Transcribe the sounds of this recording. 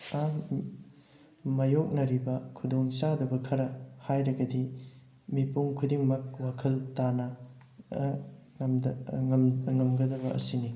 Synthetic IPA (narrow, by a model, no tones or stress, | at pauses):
a | majok̚nɐɾibɐkʰudoŋsadɐbɐkʰɐɾɐhajɾɐɡɐdi | mipuŋkʰudiŋmɐk̚wakʰɐltanɐ | ŋɐmɡɐdɐβɐʔɐ̰sini